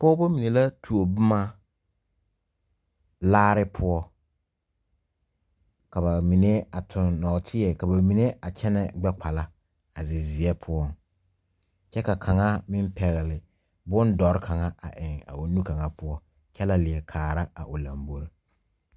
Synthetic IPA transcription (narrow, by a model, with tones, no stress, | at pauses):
pɔ˦bo˦mi˨ne˨la˦tʰu˨o˨bʊ˦ma˦ | laː˦ɾɪ˦pʰʊ˦ɔ˦ | ka˨ba˨mi˨ne˦a˨tʰʊ˨nːɔ˨tʰɪ˦ɛ˨ka˨ba˨mi˨ne˦ʔa˨t͡ʃɛ˦nɛ˦ɡ͡bɛ˦k͡pa˨la˦ | a˨zɪ˨zɪ˨ɛ˦pʰʊ˦ɔ˦ŋ | t͡ʃɛ˦ka˨kʰa˨ŋa˦mɪ˦mpɛ˨ɣɛ˨lɪ˨ | bʊ˦ndɔ˨ɾɪ˦kʰa˨ŋa˦a̰˨ʔɪ˨ŋa̰˨o˨nu˦ka˨ŋa˦pʊ˦ɔ˦ | t͡ʃɛ˦la˦lɪ˨ɛ˨kʰaː˨ɾa˦a̰˨ʔʊ˨la̰˨mbo˦ɾ